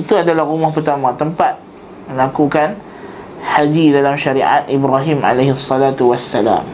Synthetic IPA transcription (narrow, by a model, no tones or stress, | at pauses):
it̪uadalahrumɔhpərt̪amãt̪əmpat̪̚ | mə̃lakukan | had͡ʒidalamʃaɾiʔa̰t̪̚ʔibɾaɦima̰leɦsːɑlat̪uwasːala̰m